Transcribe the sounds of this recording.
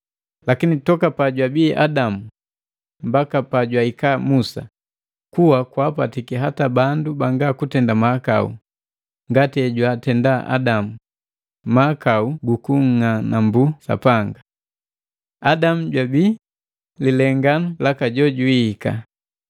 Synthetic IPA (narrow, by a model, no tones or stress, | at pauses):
lakinitɔkapaɟwabiːʔa̰damu | mbakapaɟwaikaːmusa̰ | kuwakwapatikiɦatabandubaŋɡakutɛndamaːka̰ṵ | ŋɡatiɛɟwatɛndaʔa̰damu | makauɡukuŋ̩ŋanambusa̰paŋɡa | adamuɟwabiː | lilɛŋɡanulakaɟɔɟuiika̰